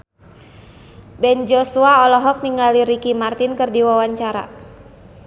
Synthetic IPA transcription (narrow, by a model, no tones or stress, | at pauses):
bɛnd͡ʒɔsuaɔlɔɦɔk̚niŋaliɾikimart̪ɪnkɨrdiwawaɲt͡ʃaɾa̰